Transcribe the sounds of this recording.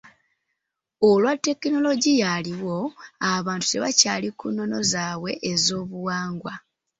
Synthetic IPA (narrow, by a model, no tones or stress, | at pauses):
olwatːe̞kino̞lo̞ɟijaliwo̞aβaːntu̥te̞βacaːlikunːo̞no̞zaːwe̞ʔːzo̞ːβuwaːŋɡwa